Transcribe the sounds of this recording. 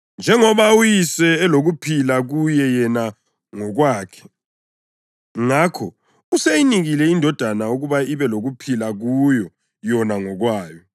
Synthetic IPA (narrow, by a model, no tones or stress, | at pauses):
nd͡ʒʱɛŋɔβaujisɛːloɣupʰilaɣujɛjɛna | ŋɔɣwaːkʰɛ̥ | ŋakʰɔ | usejiniɣilɛindʱɔd̥ʱanauɣuβaiβɛloɣupʰilaɣujɔ | jɔnaŋɔɣwaːjɔ